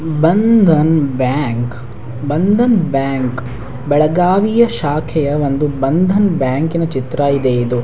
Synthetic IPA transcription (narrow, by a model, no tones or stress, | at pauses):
bɐnd̪ʱɐnbjaːŋk | bɐnd̪ʱɐnbjaːŋk | bɛɭɐɡaːʋijɐʃaːkʰɛjɐʋond̪ubɐnd̪ʱɐnbjaːŋkinɐt͡ʃit̪ɾɐid̪eid̪u